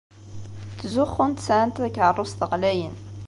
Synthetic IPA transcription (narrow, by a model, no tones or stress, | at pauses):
θzʊχːʊnt̪sʕænt̪ækərˤːost̪ʁlæjən